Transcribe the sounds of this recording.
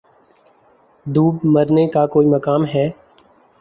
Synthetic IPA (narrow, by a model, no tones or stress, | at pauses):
d̪uːbməɾnekakoːiməkaːmɦɛː